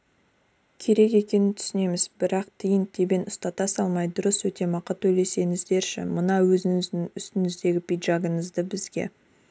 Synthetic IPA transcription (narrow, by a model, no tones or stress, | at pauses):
kʲʰe̞ɾe̞ke̞kʲe̞nɪnt̪ʰʏ̥sɪne̞mɪzbɪɾɑqt̪ʰijɪnt̪ʰebenʊst̪ɑt̪ɑsɑlˠmɑjd̪ʊɾəswɵt̪e̞mɑqət̪ːʰɵjle̞se̞ŋɪzd̪e̞ɾʃɪ̰mənɑwɵzɪŋɪzd̪ɪŋʏst̪ɪnɪzd̪e̞ɡʲɪpijd̪ʒɑɡəɴəzd̪əbɪzɡʲe̞̰